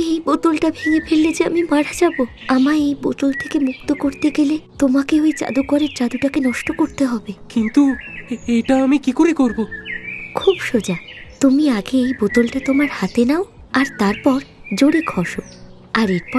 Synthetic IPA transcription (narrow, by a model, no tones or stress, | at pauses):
ejbot̪olʈabʱeŋefʰelːed͡ʑeamimaɽad͡ʑaboamaejbo̰t̪olt̪ʰekemuk̚t̪okoɾt̪eɡelet̪omakeoet͡ɕa̰d̪ukɔɾeɾt͡ɕad̪uʈakenɔʃʈokoɾt̪eɦɔbekint̪uejʈaamikikoɾekoɾbokʰubʃod͡ʑat̪omiaɡeejbot̪olʈat̪omaɾhat̪enao | aɾt̪aɾpɔɾ | d͡ʑoɽeɡʱɔʃo | aɾeɾpɔ